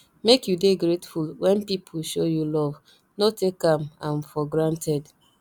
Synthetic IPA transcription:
mekjudeɡɾetfulwɛ̃npipʰuʃojulɔv | notekamãmfɔɡɹãntɛd

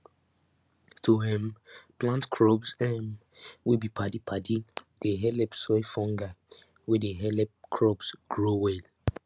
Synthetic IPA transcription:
tʰuɦɛ̃mplãntkʰɹɔbsɛm | wibipʰadipʰadid̥eɦɛlɛpsɔjfɔ̃ŋɡa | wɛdeɦɛlɛp̚kʰɹɔbsɡ̥ɹowɛl

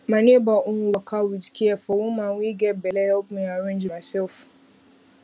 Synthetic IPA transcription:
mãnebaʔʊ̃ŋwakʰawidkʰiɛfɔwũmãŋʷiɡɛbɛlɛhɛpmɛ̃aɾẽd͡ʒmasɛlf

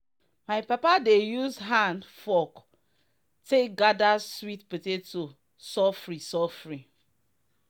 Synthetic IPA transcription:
majpapadejuzɦãndfɔ | tek̚ɡadaswitpitetu | sɔfɹĩsɔfɹĩ

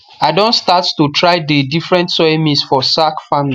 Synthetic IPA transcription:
aɪdõntstattutɹaɪdedifɹɛ̃ntswɛmĩsfɔsakfamli

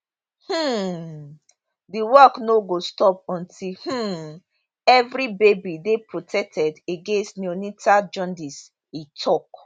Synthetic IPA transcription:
h̩ | diwɔknoɡostɔpɔ̃ntih̩ | ɛvɾibebidepɹotʰɛk̚tʰɛdeɡẽnstnionitad͡ʒɔ̃ndis | itʰɔk

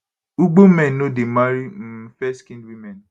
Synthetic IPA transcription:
uɡ͡bomɛnnodemaɾim̩fɛskĩndwimɛn

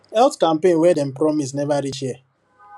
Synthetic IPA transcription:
ɛltkam̩pẽnwɛdɛm̩pɾɔmis̬nevaɾiʃɛ

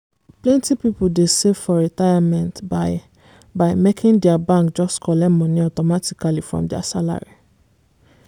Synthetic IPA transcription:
plɛ̃ntipipuldesefɔɹitajamɛ̃ntba | baɪmekʰĩndɛabãŋkd͡ʒɔstkʰɔlɛmɔ̃niɔtɔmatikalifɹɔ̰̃mdɛa̰sala̰ɹḭ

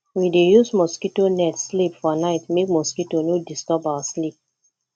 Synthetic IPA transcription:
widejusmɔskitonɛtslipfɔnaɪtmek̚mɔskitonodistɔbawaslip̚

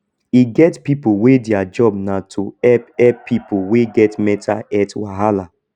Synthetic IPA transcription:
iɡɛtpipowedɪad͡ʒɔb̚nãtʰoɛpɛpʰipoweɡɛtmɛtʰaɛtwaɦala

